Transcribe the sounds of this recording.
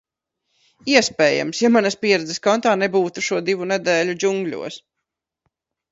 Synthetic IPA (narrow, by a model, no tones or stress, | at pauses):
iɛspɛːja̰msjamanɐspʲiɛɾɛd̪zɛskɔnt̪aːnebuːt̪uʃuɔd̪ivunɛd̪ɛːlʲud͡ʒuŋɡlʲṵɔs